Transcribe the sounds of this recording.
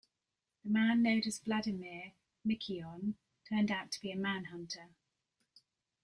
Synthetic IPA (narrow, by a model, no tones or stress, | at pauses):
ðəmãnːə̃ʊ̃dəzbladɪmɪə | mɪkʰiɒ̃n | tʰɜːndaʊtʰəb̥iəmãnɦʌ̃ntʰə